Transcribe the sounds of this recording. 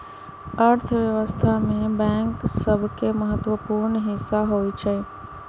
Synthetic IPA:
əɾt̪ʰʋjəʋəst̪ʰamẽbɛ̃ŋksəbʱkeməɦət̪ʋəpuːɾɳɦɪsːaɦoit͡ʃʰe

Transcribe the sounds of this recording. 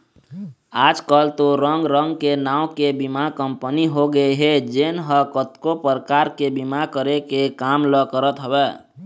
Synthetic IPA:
ad͡ʒkəlt̪oɾəŋɡɾəŋɡkenaũkebimakəmpəniɦoɡəeɦed͡ʒenɦəkət̪kopəɾkaɾkebimakəɾekekamləkəɾət̪ɦəbɛ

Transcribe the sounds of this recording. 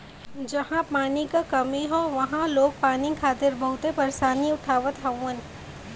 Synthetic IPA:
d͡ʒɐhãpaːnikakɐmiɦoʋɐɦãloːɡ̚paːnɪkʰaːt̪ɪɾbɐɦʊt̪epɐɾsaːniʊʈʰaːʋət̪ɦɐ̃ən

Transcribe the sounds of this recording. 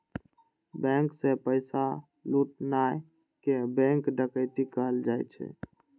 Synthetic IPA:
bɛ̃ŋksepəɪsa | luʈ̚naj | kebɛ̃ŋkɖəkəjt̪ikəɦəld͡ʒajt͡ʃʰɛ̰

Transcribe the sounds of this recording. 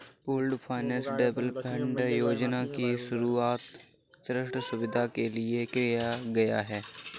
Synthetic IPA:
puːlɖpʰaːɪnɛ̃ːsɖeːbəlpɛ̃ɳɖjoːd͡ʒnakiʃʊɾuaːt̪ | sɾɪʃʈsʊbɪd̪ʱakeliekɾɪjaɡɐja̰ɦɛː

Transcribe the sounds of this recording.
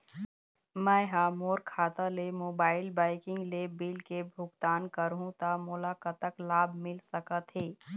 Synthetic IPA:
mɛ̃ːɦaːmoːɾkʰaːt̪alemoːbaːɪlbaːɪkɪ̃ŋɡlebɪlkebʱʊɡt̪aːnkəɾɦũt̪amʊːlaːkət̪əklaːbmɪlsəkət̪ɦeː

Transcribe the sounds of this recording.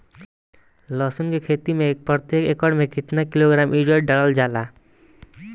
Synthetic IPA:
lɔsonkekʰet̪imek̚pɾɔt̪jekekɔɾɖmẽkit̪nakiloɡɾamʔid͡ʒɔɖɖaɽald͡ʒala

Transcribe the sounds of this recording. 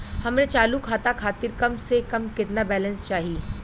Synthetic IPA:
hɐmnẽt͡ʃaːlukʰaːt̪akʰaːt̪ɪɾkɐmsekɐmkɪt̪nabɛːlə̃nst͡ʃaːɦiː

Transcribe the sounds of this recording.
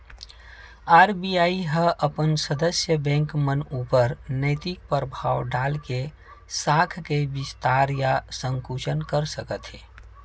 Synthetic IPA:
aːɾbijaːiɦəʔəpənsəd̪əsjəbɛ̃ŋkmənuːpəɾnəɪt̪ik̚pəɾbʱaːwɖaːlke | saːkʰkebɪst̪aːɾjasə̃ŋkut͡ʃənkəɾsəkət̪ɦeː

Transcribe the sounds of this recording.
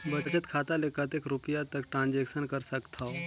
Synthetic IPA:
bət͡ʃət̪kʰat̪alekət̪eːkɾupijat̪əkʈɾãːnd͡ʒekʃənkəɾsəkt̪ʰa

